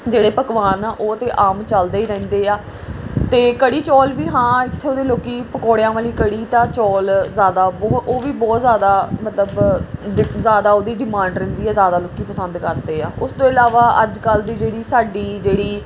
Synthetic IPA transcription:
d͡ʒeːɽeːpəkʋaːnaːʔoːət̪ẽːʔaːmt͡ʃəld̪eːiːɾɛ̃ːnd̪eːaː | t̪eːkəɽiːt͡ʃɔːlʋiːɦãːɪt̪ʰːeːoːd̪eːloːkiːpəkoːɽjãːʋaːliːkəɽiːt̪ãːt͡ʃɔːlzjaːd̪aːbɔːt̪oːʋiːbɔːt̪zjaːd̪aːmət̪ləbɪzjaːd̪aːoːd̪iːɖɪmãːɳɖɾɛ̃ːnd̪iːɛːzjaːd̪aːloːkiːpəsə̃nd̪kəɾd̪eːaːʊst̪õːɪlaːʋaːəd͡ʒkəld̪iːd͡ʒeːɽiːsaːɖiːd͡ʒeːɽiː

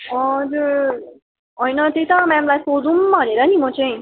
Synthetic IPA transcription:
ʌd͡zuɾ | ʌjnʌt̪ejt̪ʌmamlajsod̪umbʱʌneɾʌnimʌt͡sʌj̃

